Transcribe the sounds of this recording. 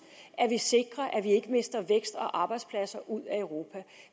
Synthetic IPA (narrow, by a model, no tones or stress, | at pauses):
ʔæɐʋise̝ɡ̥ʁɐʔæʋie̝ɡ̥əme̝sd̥ɐʋeɡ̥sd̥ɒ̽ʔɑ̈ːb̥ɑ̈ɪd̥spʰlæsɐʔuð̰ˠæœʊʁo̝ːpʰæ